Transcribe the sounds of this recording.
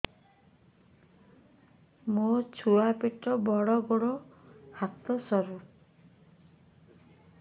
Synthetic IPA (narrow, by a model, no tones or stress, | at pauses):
mot͡ʃʰuapeʈːɔbɔɽɔɡɔɽɔhat̪ɔsɔɾu